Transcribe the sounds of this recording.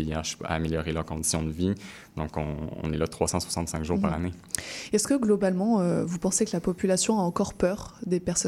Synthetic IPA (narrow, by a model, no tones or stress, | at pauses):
jɛːʃa̰ːmeljɔʁelœʁkɔ̃d̪isjɔ̃d̪əvi | d̪ɔ̃kɔ̃ɔ̰̃nɛlat̪χwasɑ̃swasɑ̃t̪sɛ̃ŋkʒuːʁpaʁane | ɛskəɡlɔbalmɑ̃øvupɑ̃sekəlapɔpylasjɔ̃aɑ̃kɔʁpœːʁd̪epɛʁsɔ